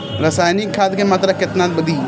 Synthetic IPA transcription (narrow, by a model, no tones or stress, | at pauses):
ɾɐsaːjnikʰːaːt̪kemat̪ɾakɪt̪nat̪bəd̪i